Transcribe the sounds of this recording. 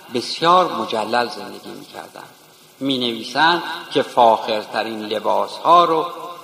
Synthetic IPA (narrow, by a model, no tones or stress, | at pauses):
be̞sjɒːɾmod͡ʒælːælze̞nd̪e̞ɡʲiːmḭːcʰæ̰ɾd̪æ̰nd̥̪ | miːneviːsænd̪cʲʰe̞fɒːxe̞ɾt̪ʰæɾiːnle̞bɒːshɒːɾo